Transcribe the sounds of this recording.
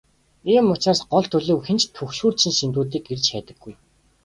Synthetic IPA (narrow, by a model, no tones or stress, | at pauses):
iːmʊt͡ɕaːsɢɔɮt̪ʰɵɮɘ̆wxent͡ɕt̪ʰɵxʃuːrsɘ̆nsint̪uːt̪̬iːkert͡ɕxæːt̪ə̆ɡːuj